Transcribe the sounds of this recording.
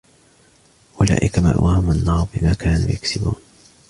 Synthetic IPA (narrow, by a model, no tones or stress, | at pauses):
ʔʊla̰ːʔɪkama̰ɾˤwʔaːhʊmanːaːɾbɪmaːkaːnuːjaksɪbuːn